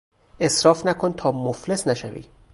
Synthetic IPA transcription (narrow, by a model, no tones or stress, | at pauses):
e̞sɾɒːfnækʰont̪ʰɒːmoflesnæʃævḭː